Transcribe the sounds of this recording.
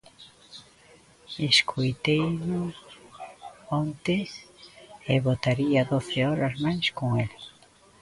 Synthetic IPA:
eskʰojt̪ejnʊ | ɔnt̪ɪs | eβot̪aɾiaðoθeɔɾɐsmajskoŋelɪ

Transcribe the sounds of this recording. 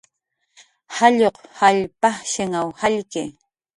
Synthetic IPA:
haʎoqhaʎpaʃɪŋawhaʎkɪ

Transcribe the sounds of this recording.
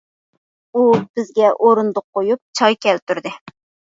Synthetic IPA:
ub̥ɪzɡʲɛʔoɾund̪ʊqːojup̚t͡ʃʰɑjkʲɛlt̪uɾd̪ɪ

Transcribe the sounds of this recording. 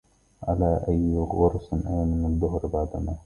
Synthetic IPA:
ʕalaːʔajɣʊɾˤsɪnʔajamɪnaðːʊɦɾbaʕd̪amaː

